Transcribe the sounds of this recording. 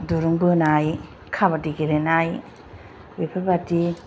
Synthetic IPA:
duɾuŋbɯnaj | kʰabatikeɾenaj | wipʰabati

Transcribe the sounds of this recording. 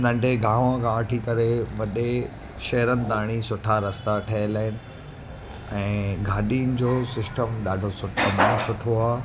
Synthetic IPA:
nɐ̃ɳɖʱeɡʱãːʋãkʰãɐʈʰikɐɾeʋɐɗe | ʃɐɦɾənɪ̆t̪aːɽ̃isʊʈʰaɾɐst̪aʈʰɐɪlaːɦɪnɪ̆ | ɛ̃ːɡʱaːɗiːnd͡ʑoːsɪsʈəmɗaːɖʱosʊʈʰəmasʊʈʰoaː

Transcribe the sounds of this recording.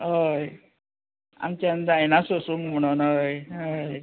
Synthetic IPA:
ɦəj | a̰mt͡ɕand͡zajnasosuŋɡm̤əɽ̃onəjɦəj

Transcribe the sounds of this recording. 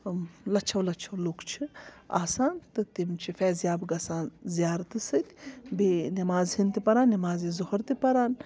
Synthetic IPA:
lɐt͡ʃʰɐwlɐt͡ʃʰɐwlukt͡ʃʰi | a̰ːsaːnt̪ɨt̪imt͡ʃʰifɛːzjaːbɡɐsaːnzijaːɾt̪ɨsɨt̪ʰʲbenɐmaːzhint̪ipɐɾaːnːimaːzizohɐɾt̪ipɐɾaːn

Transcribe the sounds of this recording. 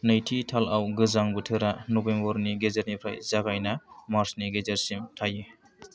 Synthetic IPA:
najtʰitʰalawɡɯzaŋbɯtʰɯɾanobembɔɾniɡezaɾnipʰɾa̰jzaɡajnamaɾsniɡezaɾsimtʰaje

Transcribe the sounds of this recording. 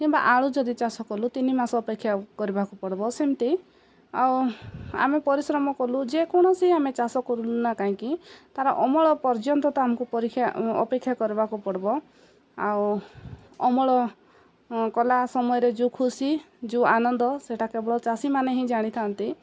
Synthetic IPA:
kimba̰ʔaɭ̃ud͡ʒɔd̪it͡ʃasɔkɔlut̪inimasɔːpekʰːjakɔɾibakupɔɽbɔsint̪i | awa̰mepɔɾisɾɔmɔkɔlud͡ʒekɔɽ̃ɔsiamet͡ʃasɔkɔɾulunakaɦĩkit̪aɾɔʔɔmɔɭɔpɔɾd͡ʒɔnt̪ɔt̪ɔamɔŋkupɔɾikʰːjaɔ̰pekʰːjakɔɾibakupɔɽbɔ | aw | ɔmɔɭɔ | kɔlasɔmɔjɔɾed͡ʒũkʰusi | d͡ʒuanɔnd̪ɔseʈʰakebɔɭɔt͡ʃasimaneɦĩd͡ʒaɽ̃it̪ʰant̪i

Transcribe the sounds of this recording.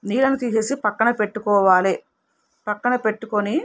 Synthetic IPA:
niːlɐnut̪iɦeːsipɐkːɐɳɐpe̞ʈːukɔːʋaːle | pɐkːɐɳɐpe̞ʈːukoni

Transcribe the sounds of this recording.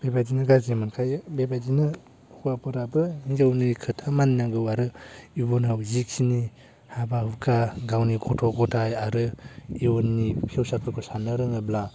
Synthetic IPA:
b̥ebad͡ʒinɯɡazemankʰajbebad͡ʒinɯ | kuwapɯɾabɯmizawnikʰɯtʰamaninaɡɯwaɾɯibonawzikʰini | habahukʰaɡawnikʰɔtʰɔɡɔtʰajaɾɯionːipʰiwsapʰɯkʰɔsanɯɾɯŋɯbla

